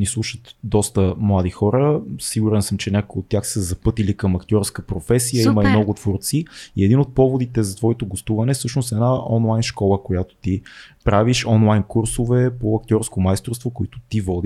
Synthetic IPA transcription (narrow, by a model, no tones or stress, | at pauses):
nislˠuʃət̪d̪ɔst̪əmlˠad̪ixɔɾəsiɡuɾɛnsɤmt͡ʃɛnʲakojot̪ːjaxsəzɐpɤt̪ilikɐmɐkt̪ʲjɔɾskəpɾofɛsijəiməimnɔɡʊt̪voɾt̪siiɛd̪inot̪̚pɔvod̪it̪ɛzɐt̪vɔɛt̪oɡost̪uvɐnɛfsɤʃnosɛd̪naɔnlˠajnʃkɔlˠəkojat̪o̥t̪ipɾaviʃɔnlˠajnkuɾsovɛpoɐk̚t̪ʲɔɾskomajst̪ɾost̪vokoit̪o̥t̪ivɔd̪i